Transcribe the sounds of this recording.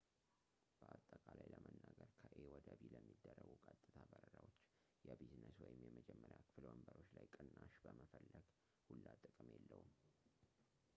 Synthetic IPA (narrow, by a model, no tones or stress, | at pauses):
b̥əʔat̪ʼːəkʼalajləmənːaɡəɾkʰəʔewɔd̪əbiləmːid̪ːərːəɡukʼat̪ʼːɨt̪ʰabəɾəɾawot͡ʃː | jɛbiznəswɔjɪmjɛməd͡ʒɛmːəɾjakʰɨ̥fɨlwəmbəɾo̞t͡ʃːlajkʼɨnːaʃbəməfəlːəɡ̥ | hulːat̪ʼɨkʼɨmjɛlːəhum